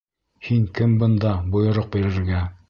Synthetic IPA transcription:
hiŋkɘmbɤ̆nd̪ɑbŏjŏɾoq̚biɾɘ̆ɾɡæ

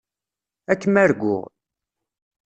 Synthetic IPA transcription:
ækːəmæɾɡʷːʊ̰ʁ

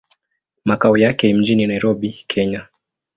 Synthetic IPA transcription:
makaɔjakɛim̩d͡ʒininaiɾɔɓikʰɛɲa

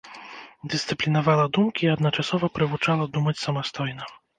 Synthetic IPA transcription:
d̪ɨst̪sɨplʲinavalˠɐd̪umkʲiːɐd̪nɐt͡ʂasɔvɐpɾɨvut͡ʂalˠɐd̪umɐt͡sʲsɐmast̪ɔjnɐ

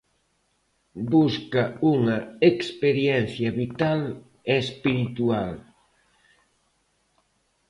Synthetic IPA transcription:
buskauŋɐekspeɾjɛnθjɐβit̪al | espiɾit̪ual

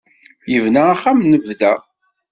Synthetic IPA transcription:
jəvnaaχːamnəvðæ

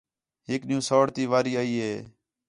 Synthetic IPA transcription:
ɦɪkɗɪjũːsoːɽt̪iːʋaːɾiːaːiːɦeː

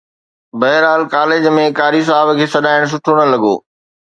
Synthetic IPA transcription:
bɐɦɪɾaːlkaːleːd͡ʑmẽkaːɾis̬aːbkʰeːsɐɗaːɪɽ̃s̬ʊʈʰoɽ̃əlɐɠo̰ː

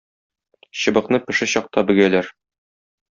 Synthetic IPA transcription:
ɕɤ̆bɤ̆qnɤpɘ̆ʃɘɕɒq̚t̪ɑbɘ̆ɡælæɾ

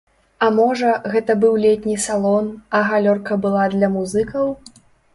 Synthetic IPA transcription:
ɐmɔʐɐɣɛt̪ɐbɨwlʲɛt̪ʲnʲisalˠɔnɐɣalʲɔrkɐbɨlˠad̪lʲɐmuzɨkɐw

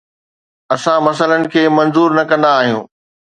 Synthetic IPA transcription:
ɐsãmɐs̬ələnɪ̆kʰeːmɐ̃nzuːɾnɐkɐ̃nd̪aːɦijũː

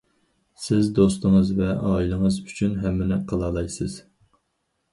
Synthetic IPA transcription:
sɪzd̪os̬t̪əŋəzvɛʔɑːilˠɨŋɨzyt͡ʃʰynɦɛmːɪnɪqʰɑlˠɑːlˠɑjsɨz̥

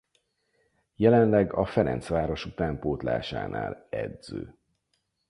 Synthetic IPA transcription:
jɛlɛnlɛɡɒfɛɾɛ̰nt̪sʋaːɾo̞ʃut̪aːmpoːt̪la̰ːʃa̰ːna̰ːlɛd̪z̥øː

